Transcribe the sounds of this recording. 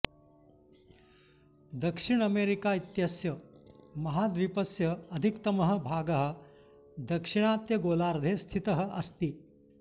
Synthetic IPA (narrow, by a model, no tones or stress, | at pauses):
d̪ɐkʂiɳ̃ɐmeɾikaːit̪jɐsjɐmɐɦaːd̪ʋipɐsjɐɐd̪ʱikt̪ɐmɐɦə̆bʱaːɡɐɦə̆ | d̪ɐkʂiɳ̃aːt̪jɐɡoːlaːɾd̪ʱeːst̪ʰit̪ɐɦə̆ʔɐst̪i